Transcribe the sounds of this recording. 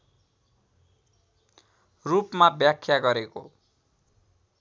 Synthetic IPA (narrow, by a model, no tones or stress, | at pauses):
rupmabjakʰːjaɡʌɾeko